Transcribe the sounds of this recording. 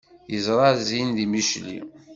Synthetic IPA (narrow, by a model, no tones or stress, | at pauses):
jəzɾˤɑzinðimiʃlḭ